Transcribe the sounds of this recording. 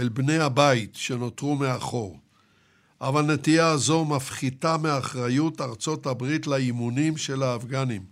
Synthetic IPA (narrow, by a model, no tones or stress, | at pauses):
elbne̞jhabait̪ʃe̞no̞t̪ʁumeaχo̞ʁ | ʔavalnet̪iazo̞mafχitameaχʁajutaʁt͡so̞thabʁit̪laimunimʃe̞laːfɡanim